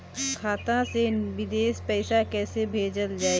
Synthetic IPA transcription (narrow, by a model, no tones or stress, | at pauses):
kʰaːt̪ãseʋɪd̪eːspɛɪsakɛːsebʱeːd͡ʒəld͡ʒaːe